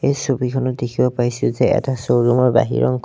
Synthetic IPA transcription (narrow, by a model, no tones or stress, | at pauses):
ejsubikʰɔnɔtdekʰibɔpaɹisʊzɛɛ̰tasowɹumɔɹba̰ɦḭɹʔɔ̰ŋk